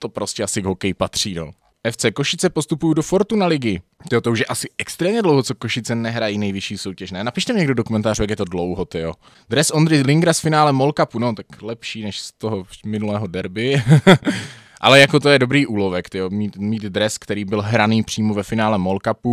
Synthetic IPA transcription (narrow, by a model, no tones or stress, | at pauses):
t̪o̞pɾo̞scɛasɪɡɦokɛjpat̪r̝̥iːno̰ | ʔɛft͡sɛko̞ʃɪt͡sɛpost̪upujudofo̞ɾt̪unalɪɡɪt̪ɪjot̪o̞uʃjɛʔasɪʔɛkst̪ɾɛːmɲɛdlowɦot͡sokoʃɪt͡sɛnɛɦɾajiːnɛjvɪʃiːsowcɛʃnɛnapɪʃt̪ɛmɲɛɡdodokumɛnt̪aːrut̪ak̬jɛt̪o̞dlowɦot̪ɪjo | d̪ɾɛsʔond̪ɾɪlɪŋɡɾasfɪnaːlɛmo̞lkapunot̪aklɛpʃiːnɛʃst̪oɦomɪnulɛːɦo̞dɛɾbɪ | ʔa̰lɛjako̞t̪ojɛdo̞bɾiːʔuːlo̞vɛkt̪ɪomiːt̪miːd̪dɾɛskt̪ɛɾiːbɪlɦɾaniːpr̝̥iːmovɛfɪnaːlɛmolkapu